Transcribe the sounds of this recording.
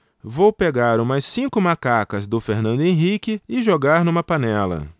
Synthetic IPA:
vowpeɡaɾʊ̃majsːĩkʊmakakɐzd̪ʊfeɾnɐ̃nd̪ʊẽɦikɪɪʒoɡaɾnũmɐpanɛlɐ̰

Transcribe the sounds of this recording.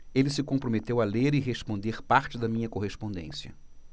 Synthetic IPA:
elɪsɪkõpɾomet̪ewaleɾɪɦespõnd̪eɾpaɾt͡ʃɪd̪ɐmĩɲɐkoɦespõnd̪ḛ̃siɐ̰

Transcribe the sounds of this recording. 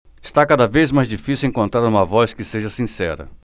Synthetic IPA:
ɪst̪akad̪ɐvejzmajzd͡ʒifisiwẽŋkõnt̪ɾaɾũmɐvɔskɪseʒɐsĩsɛ̰ɾɐ̰

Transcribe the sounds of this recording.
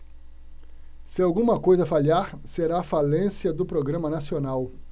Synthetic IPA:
sɪawɡũmɐkojzɐfaʎiaɾseɾaːfalẽsjɐd̪ʊpɾoɡɾɐ̃mɐnasionaw

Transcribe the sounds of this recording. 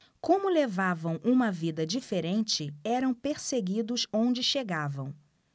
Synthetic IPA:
kõmʊlevavɐ̃w̃ʔũmɐvid̪ɐd͡ʒifeɾẽnt͡ʃɪɛɾɐ̃w̃peɾseɡid̪ʊsõnd͡ʒɪʃeɡavɐ̃w̃

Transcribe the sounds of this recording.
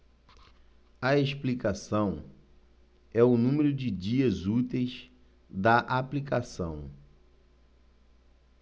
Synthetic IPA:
ɐeʃplikasɐ̃w̃ | ɛʊnũmeɾʊd͡ʒɪd͡ʒiɐzut̪ejz | d̪ɐʔaplikasɐ̰̃w̃

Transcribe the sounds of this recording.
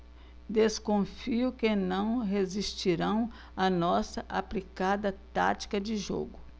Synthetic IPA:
d̪eskõfiʊkɪnɐ̃w̃ɦezist͡ʃiɾɐ̃w̃ | ɐnɔsɐʔaplikad̪ɐt̪a̰t͡ʃi̥kɐd͡ʒɪʒo̰ɡʊ

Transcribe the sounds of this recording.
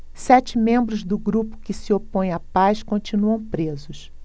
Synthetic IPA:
sɛt͡ʃɪmẽmbɾʊzd̪ʊɡɾupʊ̥kɪsiopõj̃apaskõnt͡ʃinuɐ̃w̃pɾezʊs

